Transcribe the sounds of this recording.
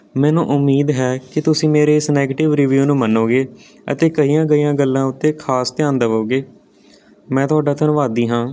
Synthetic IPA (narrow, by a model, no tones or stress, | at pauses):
mɛ̃ːnṵ̃ːʔʊmːiːd̪ɦɛːkɪt̪ʊsĩːmeːɾeːɪsnɛːɡeʈɪʋɾɪʋjuːnũːmənːoːɡeː | ə̰t̪eːkəijãːɡəijãːɡəlːãːʊt̪ːeːkʰaːst̪ɪjãːnd̪əʋoːɡeː | mɛ̃ːt̪ʊaːɖaːt̪ənʋaːd̪iːɦãː